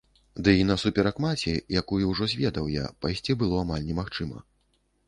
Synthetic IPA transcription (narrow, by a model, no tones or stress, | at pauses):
d̪ɨinɐsupʲɛɾakmat͡sʲɛjakujuwʐɔzʲvʲɛd̪ɐwja̰pajsʲt͡sʲibɨlˠɔamalʲnʲɛmaxt͡ʂɨmɐ̰